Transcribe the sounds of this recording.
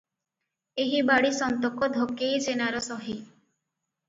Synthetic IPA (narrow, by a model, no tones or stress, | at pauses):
eɦibaɽisɔnt̪ɔkɔd̪ʱokejt͡ʃenaɾɔsɔɦi